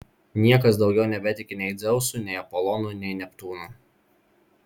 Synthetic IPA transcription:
nʲiɛkɐsd̪ɒʊɡʲɛʊnʲɛbʲɛt̪ʲɪkʲɪnʲɛɪd̪zʲɛʊsunʲɛɪɐpɔlˠɔnuːnʲɛɪnʲɛpt̪uːnu

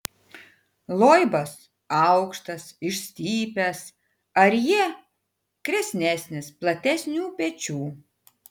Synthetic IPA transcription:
lˠoːjɪbɐs | ɐʊkʃt̪ɐsɪʃsʲt̪ʲiːpʲɛs | ɐɾjiɛ | kɾʲɛsʲnʲæːsʲnʲɪsplˠɐt̪ʲɛsʲnʲuːpʲɛt͡ʃʲuː

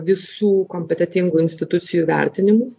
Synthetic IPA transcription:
ʋʲɪsuːkoːmʲpʲɛt̪ʲɛt̪ʲɪŋɡuːɪnʲsʲt̪ʲɪt̪ʊt̪sʲɪjuːʋʲæ̰ˑɾʲt̪ʲɪnʲɪmʊs

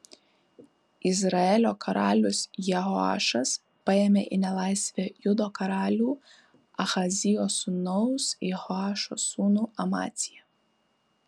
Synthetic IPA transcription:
ɪzɾɐɛlʲoːkʰɐɾɑːlʲʊsjɛɦɔɑ̰ːʃɐs | pɐeːmʲeʔɪnʲɛlˠɑɪsʲʋʲejʊd̪oːkɐɾɑːlʲuː | ɐxɐzʲɪjoːsʊnɔʊsjɛhɔɑːʃo̰ːsuːnuːɐmɑ̰ːt̪sʲɪjɛ

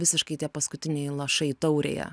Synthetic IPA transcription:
ʋʲɪsʲɪʃkɐɪt̪ʲiɛpɐskʊt̪ʲɪnʲɛɪlˠɐʃɐɪt̪ɐʊɾʲḛːjɛ̰

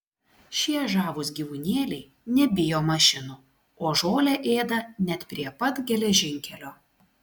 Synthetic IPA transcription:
ʃʲiɛʒɑːʋʊs̬ɡʲiːʋʊnʲeːlʲɛɪ | nʲɛbʲɪjoːmɐʃʲɪnu | oːʒoːlʲɛʔeːd̪ɐnʲɛt̪pʲɾʲiɛpɐt̪ɡʲɛlʲɛʒʲɪŋʲkʲɛlʲoː

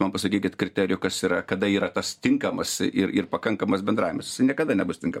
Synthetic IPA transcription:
mɐnpɐsɐkʲiːkʲɪt̪kɾʲɪt̪ʲæːɾʲɪjʊkɐsiɾɐkɐd̪ɐiːɾɐt̪ɐst̪ʲɪŋkɐmɐsɪɾɪrpɐkɐŋkɐmɐsbʲɛnd̪ɾɑːjɪmɐsjɪ̥sɐɪnʲiɛkɐd̪ɐnʲɛbʊst̪ʲɪŋkɐm

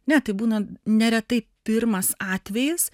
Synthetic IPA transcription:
nʲɛt̪ɐɪbuːnɐnʲɛɾʲɛt̪ɐɪpʲɪɾmɐsɑːt̪ʲʋʲɛjɪs

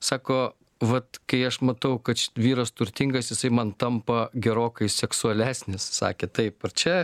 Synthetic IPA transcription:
sɑːkoː | ʋɐt̪kɐɪɐʃmɐt̪ɐʊkɐt̪ʲʋʲiːɾɐst̪ʊɾʲt̪ʲɪŋɡɐsjɪsɐɪmɐnt̪ɐmpɐɡʲɛɾoːkɐɪsʲɛksʊɐlʲæːsʲnʲɪssɑ̰ːkʲeːt̪ɐɪpɐrt͡ʃʲɛ

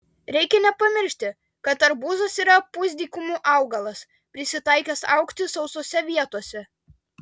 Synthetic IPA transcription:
ɾʲɛɪkʲɛnʲɛpɐmʲɪɾʲʃʲt̪ʲɪ | kɐt̪ɐɾbuːzɐsiːɾɐpʊzʲd̪ʲiːkʊmuʔɑˑʊɡɐlˠɐs | pʲɾʲɪsʲɪt̪ɐɪkʲɛsɑʊkt̪ʲɪsɒʊsoːsʲɛʋʲiɛt̪oɔsʲɛ

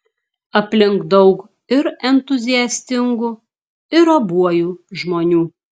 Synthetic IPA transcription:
ɐpʲlʲɪŋkd̪ɒʊk | ɪɾɛnt̪ʊzʲɪjɛsʲt̪ʲɪŋɡʊ | ɪɾɐbuɔjuːʒmoːnʲuː

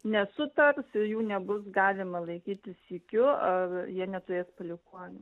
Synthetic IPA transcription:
nʲɛsʊt̪ɐrsɪjuːnʲɛbʊsɡɑːlʲɪmɐlˠɐɪkʲiːt̪ʲɪsiːkʲʊɐrjiɛnʲɛt̪ʊɾʲeːspɐlʲɪkuːnʲʊ

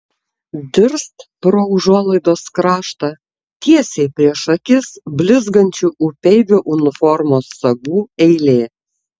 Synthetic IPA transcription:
d̪ʲɪɾst̪pɾoʊʒuɔlˠɐɪd̪oːskɾɑːʃt̪ɐ | t̪ʲiɛsʲeɪpʲɾʲiɛʃɐkʲɪsbʲlʲɪzɡɐnʲt͡ʃʲuʔʊpʲɛɪʋʲʊʔʊnʲɪfɔɾmoːsːɐɡuːɛɪlʲeː

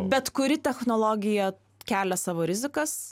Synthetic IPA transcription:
bʲɛt̪kʊɾʲɪt̪ʲɛxnoːlˠoːɡʲɪjɛ | kʲæːlʲɛsɑːʋoːɾʲɪzʲɪkɐs

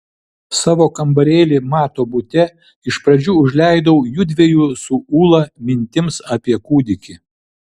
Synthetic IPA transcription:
sɑːʋoːkɐmbɐɾʲeːlʲɪmɑːt̪oːbʊt̪ʲɛ | ɪʃpɾɐd͡ʒʲuːʊʒʲlʲæˑɪd̪ɐʊjuːd̪ʲʋʲɛjuːsʊuːlˠɐmʲɪnʲt̪ʲɪmsɐːpʲiɛkuːd̪ʲɪkʲɪ

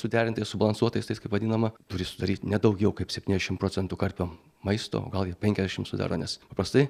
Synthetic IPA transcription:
sʊd̪ʲæːɾʲɪnt̪ɐɪsʊbɐlˠɐnsuɔt̪ɐɪst̪ɐɪskɐɪpʋɐdʲiːnɐmɐt̪ʊɾʲɪsʊd̪ɐɾʲiːt̪ʲnʲɛd̪ɐʊɡʲɛʊkɐɪpsʲɛpʲtʲiːnʲɛzʲɛʃɪmpɾoːt͡sʲɛnt̪uːkɐɾʲpʲoː | mɐɪst̪o̰o̰ːɡɐlˠjiɛpʲɛŋʲkʲɛzd̪ʲɛʃʲɪmsʊd̪ɑ̰ːɾo̰ːnʲɛspɐpɾɐst̪ɐɪ

